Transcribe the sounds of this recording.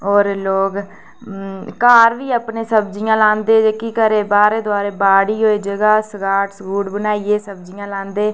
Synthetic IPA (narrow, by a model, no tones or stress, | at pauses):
oːɾloːk | kaːɾʋiːəpnẽːsəbd͡ʒijãːlãːnd̪eːd͡ʒeːkiːkəɾeːbaːɾeːd̪ʊaːɾeːbaːɽiːɦoːeːd͡ʒəɡaːsəɡaːʈsɡuːɖbənaːieːsəb̚d͡ʒijãːlãːnd̪eː